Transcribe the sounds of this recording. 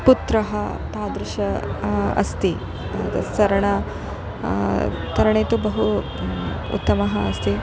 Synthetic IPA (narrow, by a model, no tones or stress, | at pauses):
put̪ɾɐɦɐ | t̪aːd̪ɾɪʃɐɐ̰st̪i | ɐt̪ɐ̰sɐɾɐɳɐ | t̪ɐɾɐɳeːt̪ubɐɦu | ṵt̪ːɐmɐɦɐːst̪i